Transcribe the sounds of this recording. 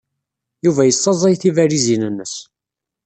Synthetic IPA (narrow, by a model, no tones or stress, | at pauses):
juvæjəsˤːɑzˤɑjθivæɾizinənːəs